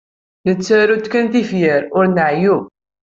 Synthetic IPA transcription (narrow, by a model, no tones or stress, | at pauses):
nət͡sːæɾut̪kænθifjəɾʊɾnəʕju